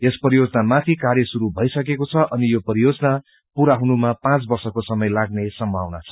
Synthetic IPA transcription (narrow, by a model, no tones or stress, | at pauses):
jespʌrijod͡zʌnamat̪ʰikarjʌsuɾubʱʌjsʌkekot͡sʰʌʔʌnijopʌɾijod͡zʌna | puɾaɦunumapãt͡sbʌrsʌkosʌmʌjlaɡnesʌmbʱa̰wna̰t͡sʰʌ̥